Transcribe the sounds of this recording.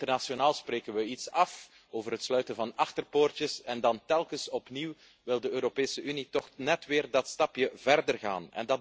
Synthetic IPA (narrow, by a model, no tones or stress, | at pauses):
tərnaʃionaːlˠspreːkənʋəitsɑf | oːvərɦətslœɥtənvɑnɑxtərpoːrtjəsɛndɑntɛlˠkəsɔpniw | ʋɪlˠdəøːɾopeːsəʔynitɔxnɛtʋɪːrdɑtstɑpjəvɛrdərɣa̰ːnɛ̰ndɑ